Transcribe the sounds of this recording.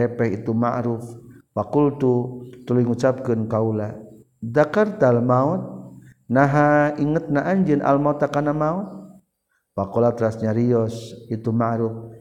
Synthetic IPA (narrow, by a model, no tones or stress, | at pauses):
ɛpɛɦit̪umaɾufwakult̪ut̪ulujŋut͡ʃap̚kɨnkaula | dakart̪almaɔt̪̚naɦaiŋət̪̚naʔaɲd͡ʒənʔa̰lmaɔt̪akanamaɔt̪̚ | wakɔlat̪ɾasɲaɾiɔsit̪umaɾuf